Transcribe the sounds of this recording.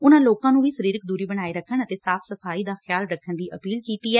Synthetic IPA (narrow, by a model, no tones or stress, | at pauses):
ʊnãːloːkãːnũːʋiːsəɾiːɾək̚d̪uːɾiːbəɽ̃aːiːɾəkʰːəɳət̪eːsaːfʰsəfʰaːiːd̪aːxjaːlɾəkʰːənd̪iːʔəpiːlkiːt̪iːɛː